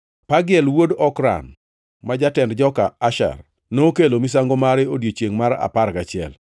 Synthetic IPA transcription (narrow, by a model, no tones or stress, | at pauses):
paɡɪɛlwodɔkɾa̰n | mad͡ʒatɛndd͡ʒɔkaaʃa̰r | nokelomis̬aŋɡomaɾɛodjet͡ʃjeŋmaɾa̰paɾkat͡ʃɪɛ̰l